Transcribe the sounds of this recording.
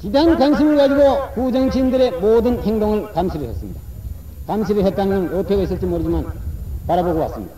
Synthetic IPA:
tidankwanɕʰimɯɭkad͡ʑiɡokud͡ʑʌŋt͡ɕʰindɯɾemodɯnheŋdoŋɯɭkamɕʰiɾɯɭɦʰesɯmɲida | kamɕʰiɾɯɭɦet̚t͈anɯɡɯnʌpʰeɡais͈ɯɭt͡ɕ͈imoɾɯd͡ʑimanpaɾaboɡowa̰s͈ɯmɲid̥a

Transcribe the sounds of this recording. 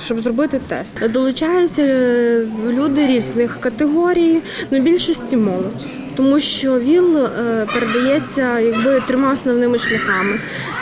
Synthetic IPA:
ʃt͡ʃɔbzrɔbɪt̪ɪt̪ɛ̰st̪d̪ɔlˠʊt͡ʃɑjʊt͡sʲːɐ | lʲud̪ɪɾʲiznɪxkɐt̪eɦɔɾʲij | nʊbʲilʲʃɔsʲtʲimɔlˠɔd̪ʲ | t̪ɔmuʃt͡ʃɔʋʲinpeɾed̪ɐjɛt͡sʲːɐjɐɡ̚bɪt̪ɾɪmɑɔsnɔʋnɪmɪʃlʲɐxɑmɪ

